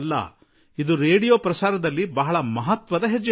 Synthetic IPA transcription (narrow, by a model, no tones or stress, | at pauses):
lːɐ̰ | id̪uɾeːɽijoːpɾɐsaːɾɐd̪ɐlːibɐɦɐɭɐmɐɦɐt̪ʋɐd̪ɐɦed͡ʒːɐ